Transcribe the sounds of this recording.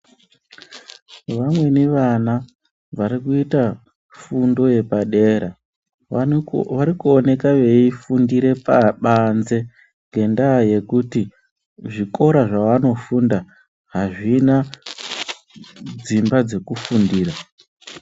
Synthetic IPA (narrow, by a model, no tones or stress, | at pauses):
ʋamwe̞neʋana | ʋarikuita | fundo̞je̞paɗe̞ːɾa | ʋaɾikuone̞kaʋe̞ifundiɾe̞paɓanze̞ | ŋɡʱe̞ndaje̞kuti | ʐiko̞ɾaʐaʋano̞funda | ɦaʐina | d͡zimbad͡ze̞kufundiːɾa